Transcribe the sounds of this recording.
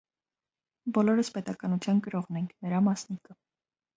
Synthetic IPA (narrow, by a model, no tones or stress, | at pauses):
bɔlɔɾəspɛt̪ɑkɑnut͡sʰjɑnkəɾɔʁnɛŋkʰnəɾɑmɑsnikə